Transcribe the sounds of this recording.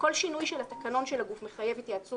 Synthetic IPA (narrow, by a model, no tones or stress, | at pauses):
ko̞lʃinujʃelat̪akano̞nʃelaɡufme̞χaje̞vit̪jat͡su